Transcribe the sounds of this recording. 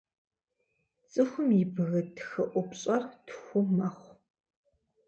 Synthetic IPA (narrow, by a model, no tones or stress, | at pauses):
t͡sʼɨxʷʊmibɨɣɐtʰxɨʔʷʊpɕʼɐrtxʷʊmɐχʷ